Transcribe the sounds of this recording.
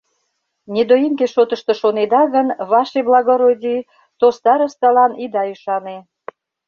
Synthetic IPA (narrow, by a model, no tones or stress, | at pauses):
nʲed̪ojimkeʃot̪əʃt̪ə̆ʃoned̪ɑɣənβɑʃeblɑɣoɾodʲi | t̪ost̪ɑɾəst̪ɑlɑnid̪ɑyʃɑne